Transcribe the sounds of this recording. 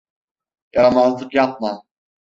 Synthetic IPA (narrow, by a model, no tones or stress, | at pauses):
jɑɾɑmɑzlˠɯqjɑp̚mɑ